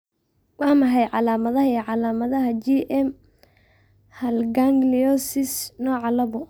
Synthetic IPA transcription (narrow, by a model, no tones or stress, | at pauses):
wɑːmɐɦɛjʕɑlaːmɐðɐɦɐiʕɑlaːmɐðɐɦɐd͡ʒiʔɛm | hɐlɡaŋɡlijɔsɪsnɔːʕɑlɐβɔ